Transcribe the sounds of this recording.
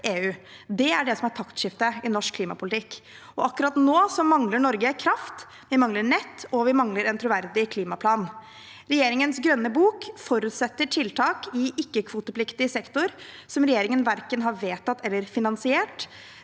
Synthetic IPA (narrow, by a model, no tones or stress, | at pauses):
ʔeːʉː | d̪ɛæɖɛsɔmæʈʰɑkt̪ʂɪft̪əɪnɔʂkʰːliːmɑ̰pʰʊlɪt̪ʰɪkː | ɔɑkːʉɾɑt̪noːsɔmɑŋləɳɔɾɡəkʰɾɑft̪ | ʋɪmɑŋləɳɛt̪ːɔʋɪmɑŋləɾɛnt̪ʰɾʊʋæɾd̪ɪkʰliːmɑpʰlɑːn | ɾɛjeːɾɪŋənsɡɾœnːəbuːkfɔɾʉːt̪sɛt̪ːəʈʰɪlt̪ʰɑːkɪʔɪkːəkʰʋuːt̪əpʰlɪkt̪ɪəsɛkt̪ʊɾ | sɔmɾɛjeːɾɪŋənʋæɾkənɦɑɾʋeːt̪ɑt̪ːɛlːəɾfɪnɑnsɪeːʈ